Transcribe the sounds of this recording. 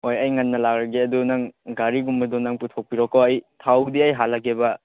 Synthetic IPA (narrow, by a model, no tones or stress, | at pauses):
ojɐjŋanːɐlak̚ɾɐɡeɐdunaŋɡaɾiɡumbɐdɔnaŋputʰɔk̚piɾɔkɔɐjtʰawdiɐjɦalːaɡebɐ